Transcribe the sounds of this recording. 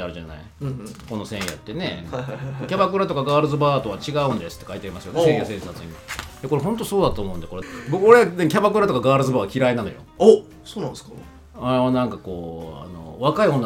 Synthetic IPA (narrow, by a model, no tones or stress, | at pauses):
aɾɯ̟ʑana̰i | ko̞no̞sẽ̞ɰ̃ja̰t̪ːe̞ne̞̰kkʲabakɯ̟ɾat̪o̞kaɡaːɾɯ̟zɨbaːt̪okat͡ɕiɡaɯ̟̃nd̪e̞sɨ̥t̪ːekait̪eaɾimasɨjonsejasẽ̞ɰsat͡sɨɲ̟ijako̞ɾeɦõ̞nt̪o̞soːd̪at̪oːmo̞ɯ̟nd̪eko̞ɾebokɯoɾeanekʲabakɯ̟ɾat̪o̞kaɡaːɾɯ̟zɨbaːkʲiɾainano̞jo̰ | soːnãnsk | aɾeβanãŋkako̞ːa̰no̞̰βakaiho̞nː